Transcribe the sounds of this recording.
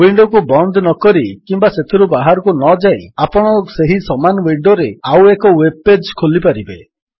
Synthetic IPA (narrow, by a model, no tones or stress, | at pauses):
wiɳɖɔkubɔnd̪nɔkɔɾikimbaset̪ʰiɾubaɦaɾɔkunɔd͡ʒajapɔɽ̃ɔseɦisɔmanwiɖoɾeawekɔweb̚ed͡ʒkʰolipaɾibe